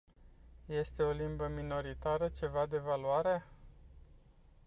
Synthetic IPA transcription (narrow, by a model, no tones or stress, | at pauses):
je̞st̪e̞o̞limbəmino̞ɾit̪aɾət͡ʃe̞vad̪e̞valuaɾe